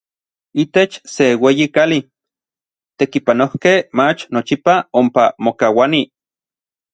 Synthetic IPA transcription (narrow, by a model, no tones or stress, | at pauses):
it̪et͡ʃseweːjikali | t̪ekipanohkehmat͡ʃnot͡ʃipaompamokawani